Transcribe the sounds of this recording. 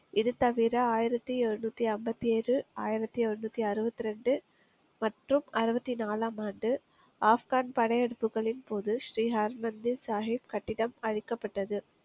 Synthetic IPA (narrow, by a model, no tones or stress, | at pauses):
ɪðɯt̪ɐʋɪɾɐaːjɪɾɐt̪ːiɛrɯnuːt̪ːiɐmbɐt̪ːieːrɯaːjɪɾɐt̪ːiɛɻɯnuːt̪ːiɐɾɯbɐt̪ːɪɾɛɳɖɯ | mɐʈrɯmɐɾɯbɐt̪ːinaːlaːmaːnɖɯ | aːfɣaːnpɐɽɐjɛɽɯpːɯɣɐɭɪnpoːðɯʃɾiːɦɐɾmɐnd̪ɪnsaːɦɪbkɐʈːɪɽɐmɐɻɪkːɐpːɐʈːɐðɯ